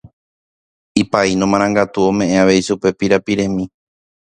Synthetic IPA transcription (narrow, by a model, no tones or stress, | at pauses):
ipainõmãɾ̃ãŋɡat̪uõ̞mẽ̞ʔeaʋe̞iʃupe̞piɾapiɾẽ̞mĩ